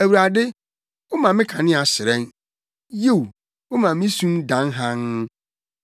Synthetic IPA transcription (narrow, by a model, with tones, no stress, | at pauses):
æ˨wu˨ɾa˨dɪ˦ | ʊ˦mã˨mɪ̃˦kʰã˨nɪ̃˦a˨sɪ˨ɾɛ̃˦n | je˦˨w | ʊ˦mã˨mĩ˦sũ˦mdã˨˦nɦã˦ŋ˦